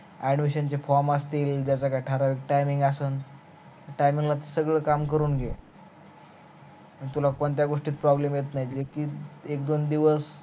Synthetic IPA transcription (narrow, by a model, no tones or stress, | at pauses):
aɽ̃ʋiɕant͡ɕefɔɾməst̪iːld͡ʑjat͡sakajʈʰaɾaʋek̚ʈajmĩŋɡasəːn | ʈajmĩŋɡlat̪̬esəɡɭəːkamkəɾuːnɡʱe | əɳit̪ulakont̪jaɡoʂʈiːt̪̚pɾɔblemjet̪najd͡zekiːekd̪ond̪iʋəs